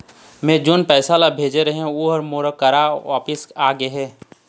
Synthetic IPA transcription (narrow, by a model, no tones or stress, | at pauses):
mẽːd͡ʒʊnpɛːsalabʱeːd͡ʒeɾɐɦẽuːɦəɾmoːɾkɐɾaʋaːpɪsaːɡeɦɛː